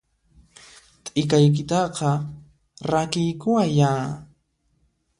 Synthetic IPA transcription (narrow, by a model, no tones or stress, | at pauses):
t̪ʼɪkajk̬ɪt̪ɑqɑ | ɾakɪjkʊwajaː